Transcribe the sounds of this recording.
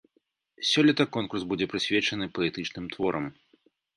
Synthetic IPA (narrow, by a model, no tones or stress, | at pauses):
sʲɔlʲit̪ɐkɔnkursbud͡zʲɛpɾɨsʲvʲɛt͡ʂɐnɨpɐɛt̪ɨt͡ʂnɨmt̪vɔɾʔɐm